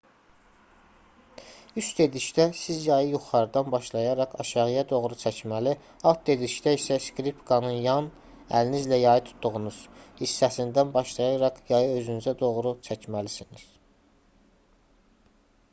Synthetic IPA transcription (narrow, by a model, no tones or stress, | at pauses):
yst̪e̞d̪iʃd̪æsizjɑjɯjuχɑɾɯd̪ɑnbɑʃlˠɑjɑɾɑqɑ̰ʃɑʁɯjɑd̪o̞ɣɾut͡ʃʰæcmæli | ɑt̪̚d̪e̞d̪iʃd̪æisæskɾipkʰɑnɯnjɑn | æ̰linizlæjɑjɯt̪ʰu̥t̪ʰːuʁunuz̥hisːæsind̪ænbɑʃlˠɑjɑɾɑqjɑjɯø̞zynyzæd̪o̞ʁɾut͡ʃʰæcmælisiniz̥